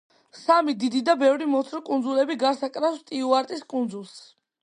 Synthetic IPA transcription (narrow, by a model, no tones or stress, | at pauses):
samid̪id̪id̪abɛvɾimɔt̪ʰɾɔkʼund̪zulɛbiɡaɾsakʼɾafst̪ʼiuaɾt̪ʼiskʼund̪zulˠs